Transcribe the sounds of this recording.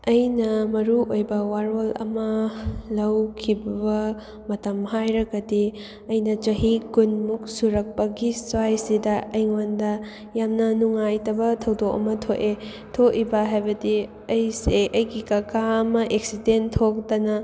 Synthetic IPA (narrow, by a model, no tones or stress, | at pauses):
ɐjnɐmɐɾuojbɐwaɾolɐ̰mɐlɐwkʰibɐbɐ | mɐtɐmhajɾɐɡɐdi | ɐjnɐt͡ʃɐɦikunmuk̚suɾɐk̚pɐɡiswajsidɐɐjŋondɐ | jamnɐnuŋajtɐbɐtʰɐwdokɐ̰mɐtʰoʔe | tʰoʔibɐɦajbɐdi | ɐjseʔɐjɡikɐkʰaɐmɐʔeksidentʰok̚tɐnɐ